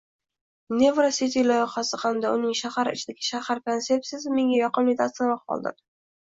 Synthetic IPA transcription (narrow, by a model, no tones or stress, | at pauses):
nʲevɾaset̪ʲijlˠɒjɪqɑsɪqʰɑnd̪aʊnɪŋʃahaɾɪ̰t͡ʃʰɪd̪aɡʲɪʃahaɾkensep̚t̪ijas̬ɪme̞ŋʲajɒqɨmlɪt̪ʰat̪smɑqʰɒ̰lˠd̪ɪ̰m